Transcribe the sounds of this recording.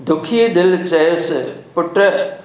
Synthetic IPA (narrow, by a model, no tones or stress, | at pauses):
d̪ʊkʰid̪ɪlt͡ʃɐjspʊʈə